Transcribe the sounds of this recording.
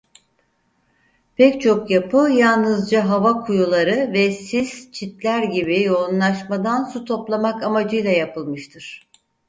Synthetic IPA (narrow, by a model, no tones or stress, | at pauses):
pʰɛct͡ʃʰo̞kjapʰɯjalˠnɯzd͡ʒaɦavakʰujulˠaɾɯvɛsiz̥t͡ʃʰit̪lʲæɾɟibijo̞unlˠaʃmad̪ansut̪ʰo̞plˠamakamad͡ʒɯjlˠajapʰɯlˠmɯʃt̪ʰɯɾ̥